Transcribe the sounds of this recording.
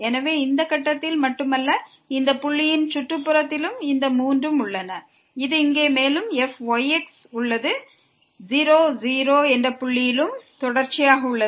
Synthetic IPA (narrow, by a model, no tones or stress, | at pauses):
ɛnɐʋeːɪnd̪ɐkɐʈːɐt̪ːɪlmɐʈːɯmɐlːɐ | ɪnd̪ɐpʊɭːɪjɪnt͡ʃʊʈrɯpːɯɾɐt̪ːɪlɯmɪnd̪ɐmuːndrɯmʊɭːɐnɐ | ɪðɯɪŋɡeːmeːlɯmɛfʋɐjɛks | ʊɭːɐðɯ | ziːɾoːd͡ʒiːɾoːɛndrɐpʊɭːɪjɪlɯmt̪ɔɽɐɾt͡ʃːɪjaːɣɐʊɭːɐ